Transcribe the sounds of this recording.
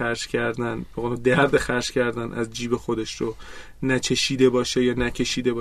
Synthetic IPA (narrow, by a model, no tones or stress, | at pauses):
æɾʃcʰæɾd̪ænbeod̪æɾd̪exæɾʃcæɾd̪ænʔæzd͡ʒiːbe̞xod̪e̞ʃɾo | næt͡ʃʰe̞ʃiːd̪e̞bɒːʃejɒːnæcʰe̞ʃiːd̪e̞bɒː